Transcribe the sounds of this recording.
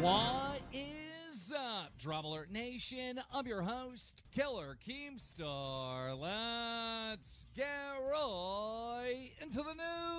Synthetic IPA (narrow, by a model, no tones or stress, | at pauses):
wʌɪzʌdɹɑbl̩ˠə˞neɪʃɨ̃nʌvjə˞ɦoʊstkʰɪlˠə˞kʰĩmstɑɹlɛ | tsɡ̥ɛɹɔ | ɪ̃ntʉðənu